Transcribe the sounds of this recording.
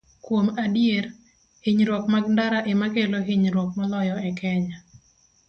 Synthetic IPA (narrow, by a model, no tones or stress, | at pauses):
kwomadjeɾ | hɪɲɾwɔkmaɡ̚ndaɾaʔɪmakeloɦɪɲɾwɔk̚malɔjɔɛkɛɲa